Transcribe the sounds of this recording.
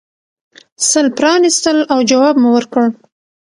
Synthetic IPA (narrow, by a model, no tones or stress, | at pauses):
səlpɾɑnist̪əlawd͡ʒawɑbmuwəɾkəɽ